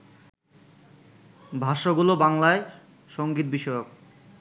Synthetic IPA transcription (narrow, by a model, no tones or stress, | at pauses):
bʱaʃoɡulobaŋlae | ʃoŋɡit̪̚biʃɔjok̚